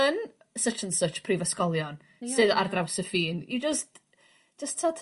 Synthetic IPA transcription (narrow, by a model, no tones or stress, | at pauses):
ən | sət͡ʃʰənsət͡ʃpʰrivəskɔlˠjɔn | sɨða̰rdrawsəfiːnid͡ʒəst | d͡ʒ̥əstʰːɔtʰ